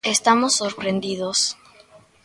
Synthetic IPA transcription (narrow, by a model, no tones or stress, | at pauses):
est̪amosːoɾpɾend̪iðos